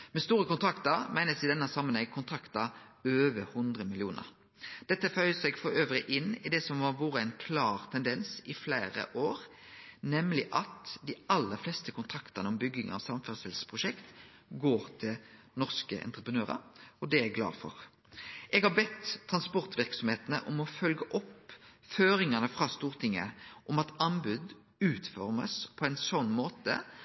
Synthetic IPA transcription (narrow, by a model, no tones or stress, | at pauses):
mɛst̪uːɾəkʊnt̪ʰɾɑkt̪əɾmæɪnəsɪd̪ɛnːəsɑmːənɛŋkʰʊnt̪ʰɾɑkt̪ɑøːʋəhʊnd̪ʁəmɪlɪuːnə̰ɾ | d̪̥ɛt̪ːəfœʏəsɛɡfɔɾøːʋɾɪʔɪnːɪd̪ɛsɔmʋɑʋuːɾəæɛɪnkʰlɑːʁt̪ʰɛnd̪ɛnsɪflæːɾə̰ʔoːʁ | nɛmlɪʔɑt̪d̪ɪɑlːəɾflɛst̪əkʰʊnt̪ʰɾɑkt̪əʁnəɔmbʏɡɪŋʔɑ̰ʋsɑmfœʁsɛlsə̥pʰʁʊʃɛkt̪ɡoːɾt̪ʰɪl | nɔʁskə̰ʔɛ̰nt̪ʁəpʰənøːʁɑ̰ɾɔd̪ɛæɡlɑ̰ːfɔ̰ʁ | ʔɛɡhɑɾbɛt̪ʰːʁɑnspɔʁt̪ʋɪʁksɔmheːt̪nə̰ʔɔmɔfœlɡəʔɔpføːɾɪŋɑnəfʁɑːst̪uːʁt̪ʰɪŋːəʔɔmɑt̪ɑnbʉd̪ | ʉːt̪fɔʁmə̰spʰɔɛɪnsɔnːmoːt̪ə̰